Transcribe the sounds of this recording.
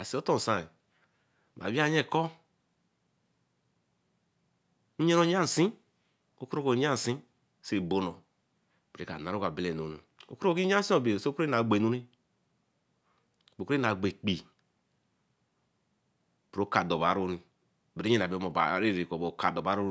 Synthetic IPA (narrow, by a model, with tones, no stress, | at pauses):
a˨si˨o˦to˦n˨sa˦˨i˨ | ma̰˨wi˦a˦ɲe˦˨ko˦ | ɲe˦ɾo˨ɲ˦a˦˨sĩ˦ | o˦ku˦ɾo˦ko˨˦ɲ˦a˦n˨si˦˨ | se˦˨bo˦no˨ | bɾe˦ka̰˨na˨ɾo˦ka˨be˦le˨no˨nḭ˨ | o̰˦ku˦ɾi˦ɲ˦a˦si˦o˨be˨ske˦na˨ɡ͡be˨nu˦ni˦ | bo˨ke˦na˨ɡ͡be˨k͡pi˨ | bɾo˨˦ka˨do˨ba̰˨ɾo˦ni˨ | bi˨ɾi˦e˦na˨be˨˦mo˨ba̰˨˦ɾe˦ɾi˨ko˨bo˨˦ka˨do˨ba˦ɾo˦